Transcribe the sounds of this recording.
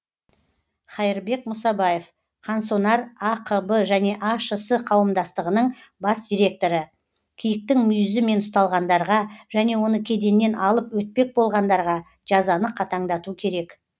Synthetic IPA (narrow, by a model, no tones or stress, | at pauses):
χɑjəɾbe̞kmʊsɑbɑje̞f | qʰɑnsonɑɾɑqʰəbəʒæne̞ʔɑʃəsəqʰɑwəmd̪ɑst̪əʁənəɴbɑsd̪ʲijɾʲe̞k̚t̪o̞ɾə | kʲʰijɪk̚t̪ɪŋmʏjɪzɪme̞nʊst̪ɑlˠʁɑnd̪ɑɾʁɑʒæne̞wo̞nəkʲʰe̞d̪e̞nːe̞nʔɑlˠəpwɵt̪̚pe̞k̚bo̞lˠʁɑnd̪ɑɾʁɑ | ʒ̥ɑzɑnəqʰɑt̪ʰɑɴd̪ɑt̪ukʲʰe̞ɾe̞k